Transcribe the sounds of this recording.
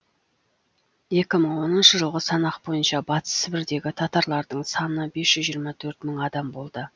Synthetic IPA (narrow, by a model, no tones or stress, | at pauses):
je̞kʲɪməɴwo̞nənʃəʒəlˠʁəsɑnɑqbo̞jənʃɑbɑt̪ə̥səbɪɾd̪e̞ɡʲɪt̪ʰɑt̪ɑɾlˠɑɾd̪əɴsɑnnəbe̞sʒ̥ʏzʒijəɾmɑt̪ʰɵɾt̪məɴɑd̪ɑmbo̞lˠd̪ə